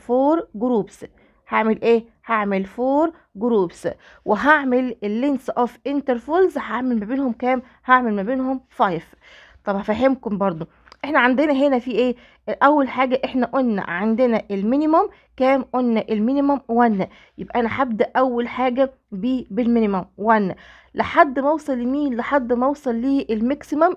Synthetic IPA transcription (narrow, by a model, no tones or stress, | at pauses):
foːɾɡɾuːbs | haʕmelʔeː | haʕmelfoːɾˤ | ɡoɾuːbs | weɦaʕmelelːinsʔofʔent̪eɾfolzhaʕmelmæbeːnhomkæːm | haʕmelmæbeːnhomfɑjf | t̪ˤɑbhæfæɦemkombɑɾˤd̪ˤo | ʔeħnæʕand̪enæɦenæfiʔeː | ʔæwːælħaːɡæʔeħnæʔonːæ̰ʕand̪enæʔelminimom | kæːmʔonːæʔelminimomwænːæ | jebʔæʔænæħab̚d̪æʔʔæwːælħaːɡæ | biːbelminimæmwænːæ | leħad̪ːmɑwsˤɑlːimiːnleħad̪ːmɑwsˤɑlːiːʔelmæksimom